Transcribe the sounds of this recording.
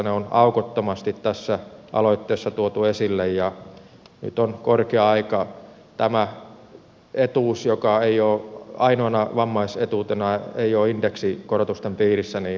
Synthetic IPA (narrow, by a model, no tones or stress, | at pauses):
neonɑukot̪ːomɑst̪it̪t̪æsːæʔɑ̰loit̪ːeːsːɑt̪uot̪uesilːejjɑ | ny̰t̪onkorkeɑɑikɑ | t̪æmæ | et̪uːsjokɑeioːɑinoɑnɑʋɑmːɑiset̪uːt̪enɑeioːindeksikorot̪ust̪empiːrisːæniː